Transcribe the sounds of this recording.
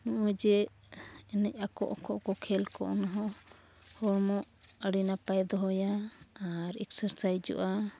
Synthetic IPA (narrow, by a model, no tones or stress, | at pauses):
nɔʔɔd͡ʒɛ | ɛnɛc̚ˀakɔ̰ʔɔkɔʔkɔkʰɛlkɔ̰ʔnaɦɔ | hɔɾmɔʔ | əɽinapajd̪ɔɦɔjaː | ɾɛksəɾsajd͡ʒɔ̰ʔa